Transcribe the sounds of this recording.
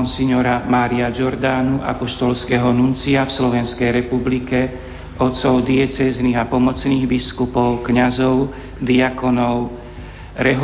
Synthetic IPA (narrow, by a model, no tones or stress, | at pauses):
nsiɲɔɾamaːɾiad͡ʒɔɾd̪aːnuʔa̰pɔʃt̪ɔlskɛɦɔnunt͡siafslɔʋɛnskɛjɾɛpublikɛ | ɔt̪sɔʊd̪iɛt͡sɛzniɣapɔmɔt͡sniːɣbiskupɔʊkɲazɔʊ | d̪iakɔnɔʊ | ɾɛɦ